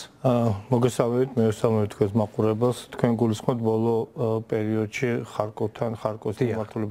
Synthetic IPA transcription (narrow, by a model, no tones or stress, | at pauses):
mɔɡɛsalˠmɛbit̪ʰmɛvɛsalˠmɛbit̪ʰkwɛ̃nsmaqʼuɾɛbɛlˠst̪ʰkʰwɛnɡulisχmɔpt̪̚ʰbɔlˠɔpʼɛɾiɔd̪ʃiχaɾkʼɔt̪ʰanχaɾkʼɔst̪ʰamaɾt̪ʰulɛb